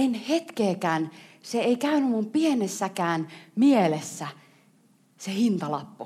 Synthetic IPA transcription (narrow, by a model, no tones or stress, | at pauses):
enhet̪keːkæːnseeikæynymːumpienesːækæːnmielesːæ | sehint̪ɑlɑpːu